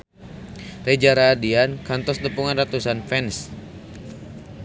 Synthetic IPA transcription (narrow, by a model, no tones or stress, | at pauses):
red͡ʒaɾaːdiankant̪ɔsləpuŋanrat̪usanfɛns